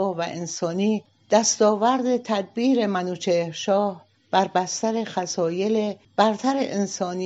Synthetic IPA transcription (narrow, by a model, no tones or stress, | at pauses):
ɒːvæʔensɒːniː | d̪̥æst̪ɒːvæɾd̪e̞t̪ʰæd̪̚biːɾe̞mænuːt͡ʃʰeɾʃɒːh | b̥æɾbæst̪æɾe̞xæsɒːje̞leb̥æɾt̪ʰæɾḛʔensɒːni